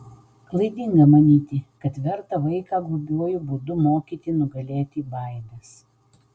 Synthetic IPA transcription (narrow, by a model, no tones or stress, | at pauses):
klˠɐɪd̪ʲiŋɡɐmɐnʲiːt̪ʲɪkɐt̪ʋʲɛɾt̪ɐʋɐɪkɑːɡʊbʲuɔjʊbʊd̪ʊmoːkʲiːt̪ʲɪnʊɡɐlʲeːt̪ʲibɐˑɪd̪ʲɛs